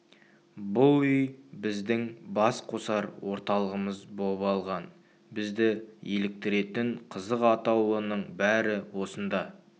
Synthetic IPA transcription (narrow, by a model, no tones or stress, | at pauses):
bʊʏjbɪzd̪ɪŋbɑsqʰo̞sɑɾwo̞ɾt̪ɑlˠəʁəməzbo̞ləpɑlˠʁɑn | bɪzd̪ɪje̞lɪk̚t̪ɪɾe̞t̪ɪɴqʰəzəqɑt̪ɑwənəɴbæɾɪwo̞sənd̪ɑ